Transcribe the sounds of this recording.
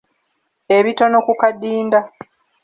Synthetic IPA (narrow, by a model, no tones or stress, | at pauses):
e̞βito̞no̞kukadːiːnda